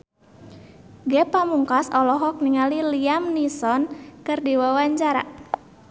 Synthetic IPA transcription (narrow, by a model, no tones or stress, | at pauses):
ɡɛpamuŋkasɔlɔɦɔk̚niŋaliliamnisɔnkɨrdiwawaɲt͡ʃaɾa̰